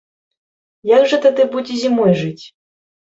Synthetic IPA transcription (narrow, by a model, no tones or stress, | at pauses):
jaɡʐɐt̪ɛd̪ɨbud͡zʲizʲimɔjʐɨt͡sʲ